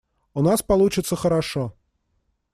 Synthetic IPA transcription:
ʊnaspɐlˠut͡ɕɪt̪səxəɾaʂɔ

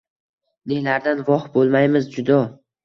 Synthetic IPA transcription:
nelaɾd̪anvɒχbolˠmajmɪzd͡ʒʊd̪ɒ

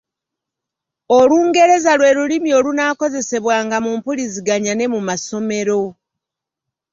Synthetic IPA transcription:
oluːŋɡe̞ɾe̞zalwe̞ːɾulimio̞ːlunaːko̞ze̞se̞βwaːŋɡamuːmpuliziɡaɲane̞mumaso̞me̞ɾo̞

